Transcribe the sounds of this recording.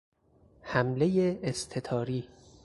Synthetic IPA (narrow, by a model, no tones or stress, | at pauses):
hæmle̞jeʔːst̪ʰe̞t̪ʰɒːɾiː